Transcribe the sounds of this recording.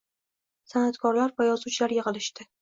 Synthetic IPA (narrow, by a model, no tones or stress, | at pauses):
sanat̪kʰɒɾlaɾvajɒzut͡ʃʰlaɾjeʁɨlˠɪʃt̪ɪ